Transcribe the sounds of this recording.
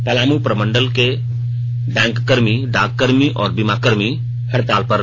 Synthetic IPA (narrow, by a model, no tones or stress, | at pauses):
pɐlaːmupɾəmə̃ɳɖəlke | ɖɛ̃ŋkːəɾmiɖakkːəɾmiʔɔ̰ːɾbimakəɾmi | həɾt̪aːlpəɾ